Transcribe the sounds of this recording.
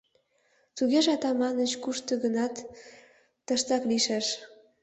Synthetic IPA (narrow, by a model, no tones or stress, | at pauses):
t̪uɣeʒɑt̪ɑmɑnət͡ɕkuʃt̪ə̆ɣənɑt̪ː | əʃt̪ɑkliʃeʃ